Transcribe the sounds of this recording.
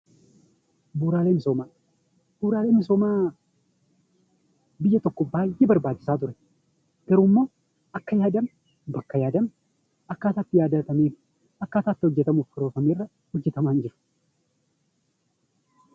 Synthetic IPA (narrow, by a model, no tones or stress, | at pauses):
buːɾaːleːmɪsoːmaː | b̥uːɾaːle̞ːmɪso̞ːmaː | bɪjːɐt̪ɔkːɔbaːjʔebɐɾbaːd͡ʒːɪsaːt̪ʊɾɛ | ɡ̥ɐɾuːmːo̞ː | ɐkːɐjaːd̪ɐm | bɐkːɐjaːd̪ɐm | ɐkːaːt̪aːt̪ːɪjaːd̪ɐt̪ɐmeː | ɐkːaːt̪aːt̪ːɪhɔd͡ʒːɛt̪ɐmuːfɪɾoːfɐmeːrːɐ | hɔd͡ʒːɛt̪ɐmaːnd͡ʒɪɾʊ̥